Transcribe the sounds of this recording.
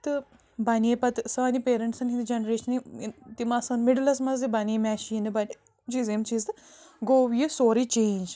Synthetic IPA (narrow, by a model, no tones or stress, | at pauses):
t̪ɨ | baniepɐt̪sɐɐnipeːɾɐɳʈsɐnɦind̪d͡ʒenɾeːʃɐnit̪imɐsɐnmiɖlɐsmɐzd̪ibanemʲaːʃinɨbɐn | t͡ʃiːzemt͡ʃiːzd̪ɨ | ɡoːwjɨsoːɾit͡ʃẽːnd͡ʒ